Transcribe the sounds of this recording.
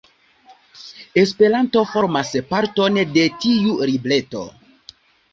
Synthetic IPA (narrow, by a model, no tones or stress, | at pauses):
e̞spe̞ɾanto̞fo̞ɾmaspaɾto̞nde̞tiuɾible̞to̞̰